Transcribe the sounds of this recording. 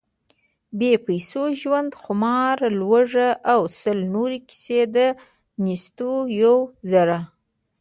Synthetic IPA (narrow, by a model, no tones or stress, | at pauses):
bepajsoʒwand̪xʊmɑɾlwəʐaʔawsəlnoɾekɪ̥sed̪ə | nist̪ojawzaɾa